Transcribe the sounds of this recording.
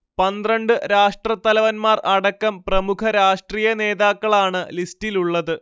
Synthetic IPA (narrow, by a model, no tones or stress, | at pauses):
pɐnd̪rɐɳɖɨɾaːʂʈrɐt̪ːɐlɐʋɐnmaːrɐɽɐkːɐmprɐmukʰɐɾaːʂʈriːjɐne̞ːðaːkːɐɭaːɳɨlistiluɭːɐðɨ